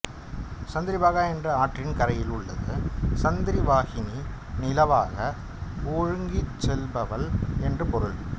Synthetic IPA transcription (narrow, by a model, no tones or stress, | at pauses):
sɐnd̪ɪɾɪʋaːɣaːɛndrɯaːʈrɪnkɐɾɐjɪlɯɭːɐ̰ðɯsɐnd̪ɪɾiʋaːɣɪni | nɪlɐʋa̰ːɣɐ | oːɻɯŋɡit͡ʃːɛlbɐʋɐlɛndrɯpɔɾɯɭ